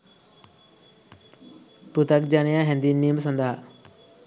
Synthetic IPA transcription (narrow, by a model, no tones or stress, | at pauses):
put̪ɐk̚d͡ʒanɐjaɦend̪inːijmɐs̬ɐnd̪ɐɦa